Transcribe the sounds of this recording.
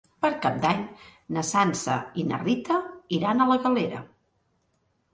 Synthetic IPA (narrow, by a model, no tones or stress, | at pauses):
pəɾkap̚d̪aɲnəsansə̰inə̰rit̪əiɾanələɣəleɾə̰